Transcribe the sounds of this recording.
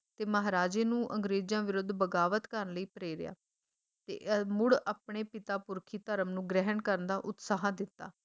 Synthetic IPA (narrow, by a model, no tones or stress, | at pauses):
t̪eːməɦaːɾaːd͡ʒeːnũːʔəŋɡɾeːd͡ʒjãːʋɪɾʊd̪bəɡaːʋət̪kəɾənləiːpɾeːɾɪ̰ja̰ː | t̪ḛːʔmʊɽaːpɳeːpɪt̪aːpʊɾkʰiːt̪əɾəmnũːɡɾɛɦənkəɾənd̪aːʔʊt̪saːɦãd̪ɪt̪ːa̰ː